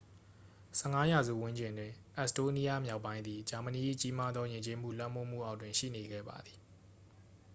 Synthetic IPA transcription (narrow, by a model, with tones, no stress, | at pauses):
sɛ˦˨ŋa˦ja˨zṵ˦˨wʊ̃˦ɲd͡ʑɪ̃˨ndwɪ̃˨ʔɛ˦˨sto˦ni˦ja˦˨mja˦ʊpːã˦ɪ̃nd̪ði˨d͡ʑa˨mə˨ni˨ʔḭ˦˨t͡ɕi˦ma˦d̪ðɔ˦jɪ̃˨ɲt͡ɕe˦m̥ṵ˦˨lã̰˦˨m̥o˦˨m̥ṵ˦˨ʔa˦ʊ̃twɪ̃˨ʃḭ˦˨ne˨ɡɛ̰˦˨ba̰˨d̪ði˨